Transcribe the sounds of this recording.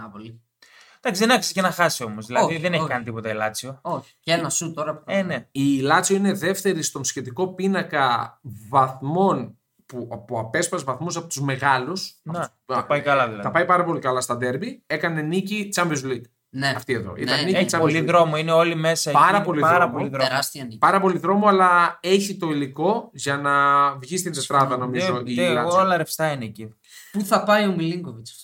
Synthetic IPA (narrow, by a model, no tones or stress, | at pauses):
ɐpoli | d̪̥ɐksiðenɐkscenɐxɐsio̞mozðilɐoðiðeneçkɐnit̪ipo̞t̪ɐilɐt͡siooçi̥enɐsut̪oɾɐpoeneiːlɐt͡sioine̞ðe̞ft̪e̞ɾist̪o̞nsçe̞t̪iko̞pinɐkɐvɐθmo̞n | puɐpoɐpe̞spɐzvɐθmusɐpo̞t̪uzme̞ɣɐlusɐne | ɐpɐjkɐlɐðilɐðt̪ɐpɐjpɐɾɐpo̞likɐlɐst̪ɐd̪e̞ɾbie̞kɐne̞nicit͡sɐɱvizlik̪ | neɐft̪ieðo̰ʔḭt̪ɐnnit͡sɐoliðɾomoineo̞lime̞sɐɐɾɐpo̞liɐɾɐpoliðɾoɾɐst̪iɐnipɐɾɐpo̞liðɾo̞moɐlɐe̞çit̪o̞iliko̞ʝɐnɐvʝist̪int̪et̪ɾɐðɐno̞mizoiɐolɐɾefst̪ɐineci | puθɐpɐiomiliŋɡovit͡s